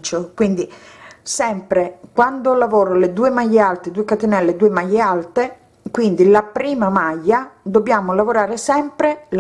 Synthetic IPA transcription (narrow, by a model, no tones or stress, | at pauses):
t͡ʃokwind̪isɛmpɾekwand̪olavɔːɾoled̪uːemajːealt̪ed̪uːekat̪enɛlːed̪uːemajːealt̪e | kwind̪ilapɾiːmamajːad̪objaːmolavoɾaːɾesɛmpɾel